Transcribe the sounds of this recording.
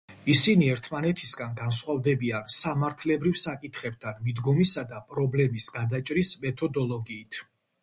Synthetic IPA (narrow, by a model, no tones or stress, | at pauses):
isiniɛɾt̪ʰmanɛt̪ʰisɡanɡansχwavd̪ɛbiansamaɾt̪ʰlɛbɾivsakʼit̪ʰχɛb̚t̪ʰanmid̪ɡɔmisad̪apʼɾɔblɛmisɡaɾd̪at͡ʃʼɾismɛt̪ʰɔd̪ɔlˠɔɡiːt̪ʰ